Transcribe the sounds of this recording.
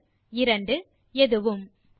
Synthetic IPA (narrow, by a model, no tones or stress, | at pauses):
ɪɾɐɳɖɯ | ɛðɯʋɯm